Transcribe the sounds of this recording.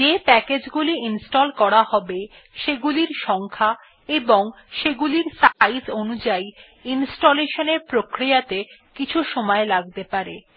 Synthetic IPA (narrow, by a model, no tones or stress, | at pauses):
d͡ʑepɛked͡ʑɡuliinsʈɔlkɔɾaɦɔbe | ʃeɡuliɾʃɔŋkʰa | eboŋ | ʃeɡuliɾsaizonud͡ʑai | insʈoleʃoneɾpɾokɾijat̪ekit͡ɕʰuʃɔmɔelaɡ̚t̪epaɾe